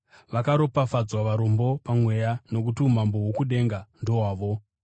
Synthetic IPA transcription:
ʋakaɾo̞pafad͡zwaʋaɾo̞mbo̞pamwe̞jano̞kutium̤ambo̞ɦwokuɗe̞ŋɡando̞waːʋo̞

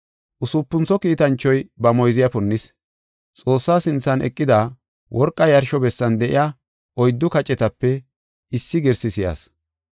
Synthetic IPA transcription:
ʔʊsʊpːʊnt͡sɔkiːt̪ɐnt͡ʃːɔjbɐmɔjzɪjɐpʊnːɪs | t͡sʼo̞ːsːaːsɪnt͡sːɐnʔɛ̰kʼːɪd̪a | wʔɔɾkʼːɐjɐɾʃɔbɛsːɐnd̪ɛʔɪ̰ja | ʔɔjd̪ːʊkɐt͡ʃʼɛt̪ɐpːɛ | ɪsːɪɡɛɾsɪsɪja̰ːs

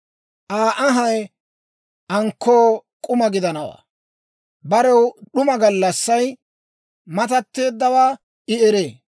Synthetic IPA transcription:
ʔaːʔɐɦɐj | ɐŋkʰːoːkʼʊmɐɡɪd̪ɐnɐwa̰ː | bɐɾɛwɗʊmɐɡɐlːɐsːɐj | mɐt̪ɐt̪ːe̞ːd̪ːɐwaː | ɪɛɾeː

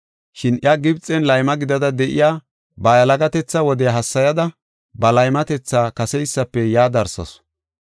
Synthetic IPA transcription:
ʃɪnʔjɐɡɪbt͡sʼːɛnlɐjmɐɡɪd̪ɐd̪ɐd̪ɛʔɪ̰jaː | bɐjɐlɐɡɐt̪ɛt͡sːɐwɔd̪ɛjɐɦɐsːɐjɐd̪ɐ | bɐlɐjmɐt̪ɛt͡sːaːkɐsɛjsːɐpːɛjaːd̪ɐɾsɐ̰s

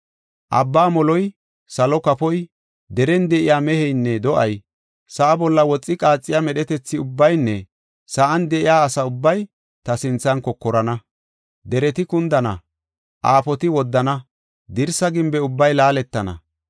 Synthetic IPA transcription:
ʔɐ̰bːaːmɔlɔj | sɐlɔkɐpɔj | d̪ɛɾɛnd̪ɛʔɪjaːmɛhɛjnːɛd̪ɔʔɐj | sɐʔːbɔlːɐwɔt͡sʼːɪkʼaːt͡sʼːɪjamɛɗɛt̪ɛt͡sːɪʊbːɐjnːɛ | sɐʔɐnd̪ɛʔɪjaːsɐʊbːɐj | t̪ɐsɪnt͡sːɐnkɔkːɔɾɐnɐ | d̪ɛɾɛt̪ɪkʊnd̪ɐnɐ̰ | ʔaːpɔt̪ɪwɔd̪ːɐnɐ | d̪ɪɾsɐɡɪmbɛʊbːɐjlaːlɛt̪ːɐnɐ̰

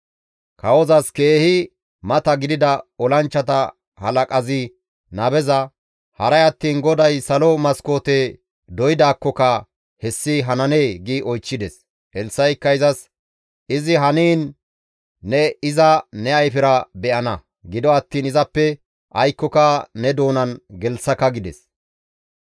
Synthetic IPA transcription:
kɐwɔzɐske̞ːhɪ | mɐt̪ɐɡɪd̪ɪd̪ɐɔlɐnt͡ʃːɐt̪ɐ | hɐlɐkʼɐzɪ | nɐbɛzɐ | hɐɾɐjɐt̪ːiːnɡɔd̪ɐjsɐlɔmɐsko̞ːt̪e | d̪ɔjɪd̪aːkːɔkɐ | hɛsːɪɦɐnɐne̞ːɡiʔɔjt͡ʃːɪd̪ɛs | ɛlsːɐjkːɐɪzɐs | ʔɪzɪɦɐniːnː | ɛɪzɐnɛɐjfɪɾɐbɛʔɐnɐ | ɡɪd̪ɔɐt̪ːiːnɪzɐpːɛ | ʔɐjkːɔkɐnɛd̪o̞ːnɐnɡɛlsːɐkɐɡɪd̪ɛs

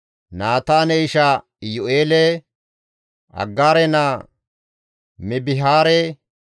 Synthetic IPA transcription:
naːt̪aːnɛɪʃa | jʊʔeːlɛ | ɐ̰ɡːaːɾɛnaː | mɪbɪɦaːɾɛ

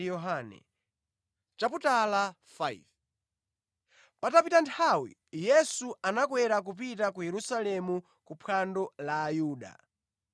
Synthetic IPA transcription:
jɔɦanɛ̰ | t͡ʃaputala | faiv | patapitantʰawḭjɛsuanakwɛɾak̬upit̬ak̬ujɛɾusalɛmu | kupʰandɔlaːjuːɗa̰

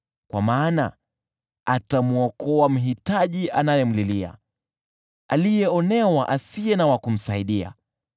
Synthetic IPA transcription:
kwa̰maːna | atamuɔkɔwam̩ɦitaʄiʔanajɛm̩lilia̰ | a̰lijɛɔnɛwaʔasijɛnawakum̩saiɗia̰

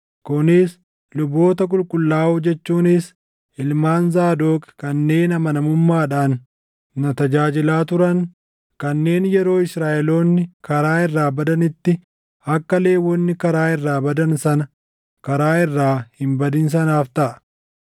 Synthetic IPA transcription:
kʊnɪs | lʊbo̞ːt̪ɐkʼʊlkʼʊlːaːʊd͡ʒɛt͡ʃːuːnɪs | ɪlmaːnzaːd̪o̞ːkkɐnːe̞ːnɐmɐnɐmʊmːaːᶑaːnː | ɐt̪ɐd͡ʒaːd͡ʒɪlaːt̪ʊɾɐn | kɐnːe̞ːnjɛɾo̞ːɪsɾaːʔɛlo̞ːnːɪkɐɾaːɪrːaːbɐd̪ɐnɪt̪ːɪ | ɐkːɐle̞ːwɔnːɪkɐɾaːɪrːaːbɐd̪ɐnsɐnɐ | kɐɾaːɪrːaːhɪmbɐd̪ɪns̬ɐnaːft̪ɐʔɐ̥

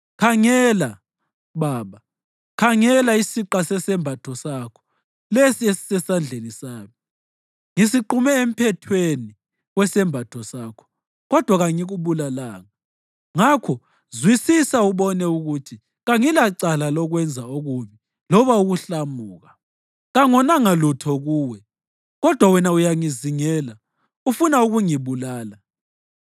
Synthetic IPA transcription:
kʰaŋɛla | βaːβa | kʰaŋɛlaisiǃasɛsɛmbʱatʰɔsakʰɔ̥ | lesiesisɛsand͡ɮʱenisaːmi | ŋisiǃumɛem̩pʰɛtʰweni | wɛsɛmbʱatʰɔsaːkʰɔ̥ | ɣɔd̥ʱwaɣaŋiɣuβulalaːŋa | ŋakʰɔ | zwisisauβɔnɛuɣutʰi | ɣaŋilaǀalalɔɣwɛnd͡zʱaoɣuβi | lɔβauɣuɬamuːɣa | ɣaŋɔnaŋalutʰɔɣuːwɛ | ɣɔd̥ʱwawɛnaujaŋiziŋɛːla | ufunauɣuŋiβulaːla

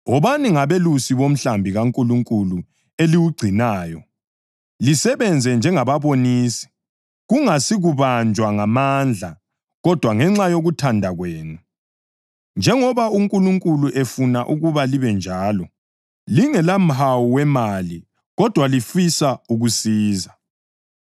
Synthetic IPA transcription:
ɔβaniŋaβelusiβom̩ɬambʱiɣaŋkʼuluŋkʼulu | eliwuɡ͡ǀʱinaːjɔ | lisɛβɛnd͡zʱɛnd͡ʒʱɛŋaβaβoniːsi̥ | ɣuŋasiɣuβand͡ʒʱwaŋamand͡ɮʱa | ɣɔd̥ʱwaŋɛŋ͡ǁajoɣutʰandʱaɣweːnu | nd͡ʒʱɛŋɔβauŋkʼuluŋkʼuluʔefunaʔuɣuβaliβɛnd͡ʒʱaːlɔ | liŋɛlam̩ɦawuwɛmali | ɣɔd̥ʱwalifisauɣusiːza

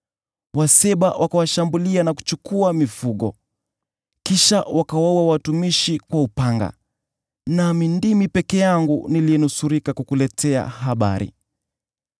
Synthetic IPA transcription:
wasɛɓawʔakawaʃambulianaku̥t͡ʃukuamifuɠɔ̰ | kiʃawakawauawatumiʃikwaupaŋɡa̰ | namindimipɛkɛjaŋɡuniliɛnusuɾikakukulɛtʰɛa̰ɦaɓa̰ɾḭ

